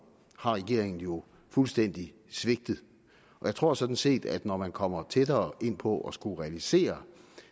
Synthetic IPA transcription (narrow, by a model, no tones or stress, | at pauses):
hɑ̈ʁɛɡ̥e̝̰ɐ̰eŋn̩jo̝ | fulsd̥en̰d̥i | sʋe̝ɡ̥̚d̥ð̩ˠ | ʔɒ̽jäɪt͡sʰʁo̝ɐ̰sɒ̽d̥n̩se̝̰ːd̥æd̥nɒmænkʰɒ̽m̰ɐt͡sʰed̥ɐːʔe̝n̰pʰɒ̽ʔɒ̽sɡ̥uʁɛælise̝̰ːɐ